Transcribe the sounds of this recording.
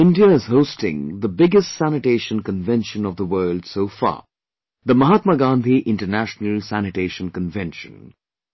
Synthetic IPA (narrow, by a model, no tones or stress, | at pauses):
ɪ̃ndiəɪz̥hoʊstɪ̰̃ŋðəbɪɡəstsænɪʈeɪʃə̃nkə̃nvɛ̃nʃə̃nɔvðəwɜːld̥soʊfɑ̰ː | ðəmʌɦat̪̚məɡãnd̪ʱiʔɪ̃nʈənæʃnəlsænɪʈeɪʃə̃nkə̃nvɛ̃nʃə̰̃n